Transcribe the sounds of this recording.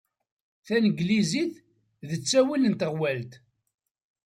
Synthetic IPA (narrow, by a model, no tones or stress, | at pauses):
θænəɡliziθ | ðət͡sːæwilənt̪əʁwælt̪